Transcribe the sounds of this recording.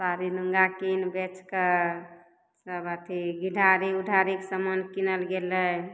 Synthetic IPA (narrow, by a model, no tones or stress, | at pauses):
saɾinuŋɡakinbet͡ʃkə | səbət̪ʰiɡiɖʱaɾiuɖʱaɾiksəmənkinəlɡelə